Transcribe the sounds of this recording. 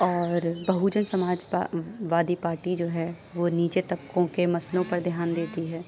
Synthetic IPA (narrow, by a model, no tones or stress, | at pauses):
ɔːɾbɐɦud͡ʒənsɐmaːd͡ʒʋaːd̪ipaːɾʈid͡ʒoːɦɛ | ʋoniːt͡ʃet̪ɐbkõkemɐslõpɐɾd̪ʱjaːnd̪eːt̪iɦɛː